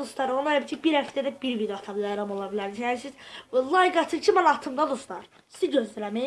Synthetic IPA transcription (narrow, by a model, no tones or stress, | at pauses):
ust̪ɑɾoneɾæbiɾt͡ʃʰibiɾhæft̪ʰæd̪æbiɾvid̪joɑt̪ʰɑbilʲˠɑjɾɑmo̞lˠɑbilæɾd̪izjænisiz̥lˠɑjɡɑt̪ʰɯcʰimænɑt̪ʰɯmd̪ɑd̪ust̪ɑɾ | siɟøzd̪ylæmæ